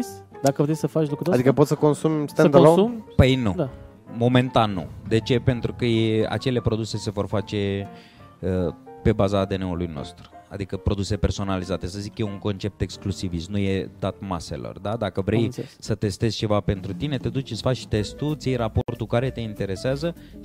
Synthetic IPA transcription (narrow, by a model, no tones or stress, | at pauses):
sd̪akəvɾesəfat͡ʃlukɾut̪oad̪ikkəpo̞t̪səko̞nsumst̪ɛd̪alumpəjnud̪a | mo̞mẽ̞nt̪anːṵd̪e̞t͡ʃe̞pe̞nt̪ɾukəjea̰t͡ʃe̞le̞pɾo̞d̪use̞se̞vo̞rfat͡ʃe̞ | əpe̞bazad̪e̞neulujno̰st̪ɾu̥a̰d̪ikəpɾo̞d̪use̞pe̞rso̞nalizat̪e̞səzikjeuŋko̞nt͡ʃe̞p̚t̪e̞ksklusivismnuje̞d̪at̪mase̞̰lo̞̰rd̪ad̪akəvɾejsət̪e̞st̪e̞z̥ʲt͡ʃe̞vape̞nt̪ɾut̪ine̞t̪e̞d̪ut͡ʃsfat͡ʃʃt̪e̞st̪ut̪sʲjejɾapo̞rt̪ukaɾe̞t̪e̞int̪e̞ɾe̞seazə